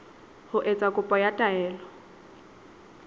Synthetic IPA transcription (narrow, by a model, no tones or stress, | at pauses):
hʊʔet͡sʼakʼʊpʼɔjatʼaɛːlɔ